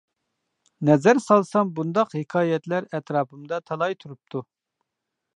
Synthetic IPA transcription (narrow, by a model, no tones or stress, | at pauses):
nɛzæɾsɑlˠsɑmbund̪ɑqhɪkʰɑːjɛt̪læɾɛt̪ɾɑːpʰɨmd̪ɑt̪ʰɑlˠɑjt̪ʰuɾup̚t̪ʰu